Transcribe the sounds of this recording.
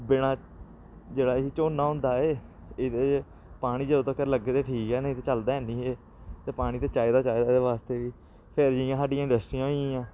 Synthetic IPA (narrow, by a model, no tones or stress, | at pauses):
bɪɽ̃aː | d͡ʒeːɽaːiːt͡ʃoːnːaːɦoʊ̃ːnd̪aːeː | ɪd̪eː | paːɽ̃iːd͡ʒeoːt̪aːkəɾləɡːeːt̪eːʈʰiːkɛːnːt̪eːt͡ʃəld̪aːɦɛ̃ːniːɦeː | t̪eːpaːɽ̃iːt̪eːt͡ʃaːid̪aːt͡ʃaːed̪aːd̪eːʋaːst̪eːʋiː | pʰeɾd͡ʒijãːsaːɖijãːɪ̃ɳɖəsʈɾiːãːɦoiãːãː